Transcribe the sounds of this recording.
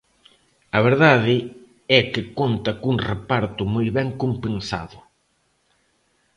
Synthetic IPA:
ɐβeɾðaðɪ | ɛkɪkont̪ɐkuŋrepaɾt̪ʊmojβɛŋkompensa̰ðʊ

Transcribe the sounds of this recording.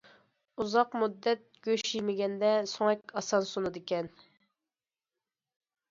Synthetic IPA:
uzɑqmud̪ːɛt̪̚ɡ̥ʲøʃijmɪɡʲɛnd̪ɛsoŋɛkʲɑsɑnsunud̪ɪkʲɛn

